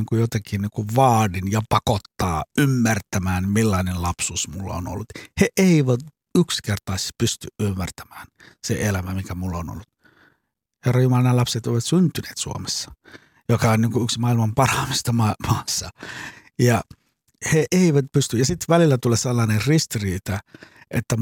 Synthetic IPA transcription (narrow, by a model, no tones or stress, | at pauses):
iːŋkujot̪ɑkiːnniːŋkuʋʋɑːdinjɑpɑkot̪ːɑːymːært̪æmæːnmilːɑinellɑpsuːsmulːɑ̰o̰no̰lːut̪heʔeiʋæt̪ | ykskert̪ɑˑispyst̪yʔymːært̪æ̥mæːn | seelæmæmikæmulːɑono̰lːut̪ | herːɑjumɑlɑnɑlɑpset̪oˑiʋɑt̪synt̪ynḛːt̪sṵo̰mesːɑ̥ | jokɑonniːŋkuyksmɑilmɑmpɑrɑmist̪ɑmɑmɑːsːɑ | jɑ | heʔeiʋæt̪̚pyst̪yjɑsit̪ʋælilːæt̪uleselːɑːnerrist̪iriːt̪æʔḛt̪ːæ